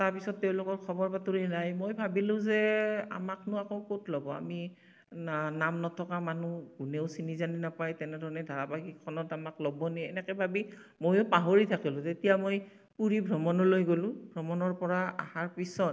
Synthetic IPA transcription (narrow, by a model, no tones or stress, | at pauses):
taɹpisɔtːeʊ̃lʊkɔɹkʰɔbɔɹpatuɹinajmojbʱabilʊ̃zɛa̰maknʊakoʊkotlɔbɔa̰mi | namnɔtʰɔkamanuɡuneʊsinizaninapajtɛnɛdʱɔɹɔnɛdʱaɹapaɡikʰɔnɔtamaklɔbɔnɛɛ̰nɛkɛbʱabi | mojʊpaɦoɹitʰakilʊ̃tetijamoj | puɹibʱɹɔmɔnɔlojɡolʊ̃bʱɹɔmɔnɔɹpɔɹaa̰haɹpisɔt̚